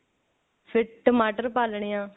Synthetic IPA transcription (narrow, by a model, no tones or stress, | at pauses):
pʰɪʈəmaːʈəɾpaːlɳeːjãː